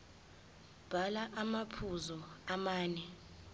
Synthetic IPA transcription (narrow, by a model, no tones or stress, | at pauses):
b̥ʱalaʔamapʰuzɔamaːnɛ